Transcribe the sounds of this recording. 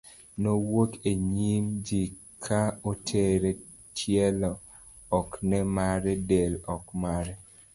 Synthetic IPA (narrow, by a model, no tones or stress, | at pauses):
nowokeɲimd͡ʒi | kʰaotʰeɾe | tʰjɛlɔ | ɔknɛmaɾɛdelɔkmaɾɛ